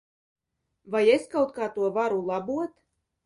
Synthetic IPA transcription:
vajeskawt̪̚kaːt̪uɔvaɾulˠabuɔt̪

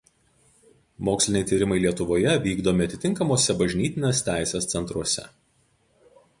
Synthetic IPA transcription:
moːksʲlʲɪnʲɛɪt̪ʲiːɾʲɪmɐɪlʲiɛt̪ʊʋoːjɛʋʲiːɡd̪oːmʲɪɐt̪ʲɪt̪ʲɪŋkɐmoːsʲɛbɐʒʲnʲiːt̪ʲɪnʲeːst̪ʲæˑɪsʲeːst̪sʲɛnt̪ɾuɔsʲɛ̰

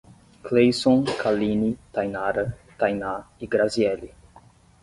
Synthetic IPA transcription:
klejsõnkʰalĩnit̪ajnaɾɐ | t̪ajnaiɡɾaziɛli

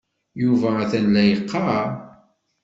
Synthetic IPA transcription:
juvææθænlæjəqʰːɑ

